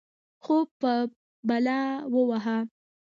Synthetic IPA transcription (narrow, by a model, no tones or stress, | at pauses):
xopə | balɑwəwaɦa